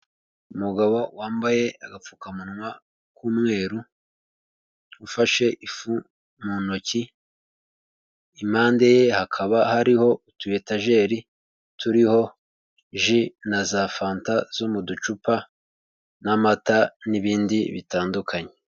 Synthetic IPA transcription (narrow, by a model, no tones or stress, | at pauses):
umuɡaβowaːmbaje̞aɡap͡fuːkamunwa | kuːmŋe̞ːɾu | ufaʃe̞ʔifu | munoci | imaːnde̞je̞hakʰaβahaɾiho̞utuje̞taʒe̞ːɾi | tʰuɾiho̞ | ʒinazafaːntaz̥omudut͡ʃupa | namataniβiːndiβitaːndukʰaɲe